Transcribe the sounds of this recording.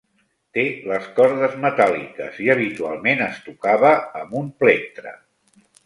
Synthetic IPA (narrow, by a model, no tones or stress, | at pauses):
t̪eləskɔɾðəzmət̪alḭkə̰ziəβ̞it̪ua̰lˠmenəst̪ukaβəːmumplek̚t̪ɾə̰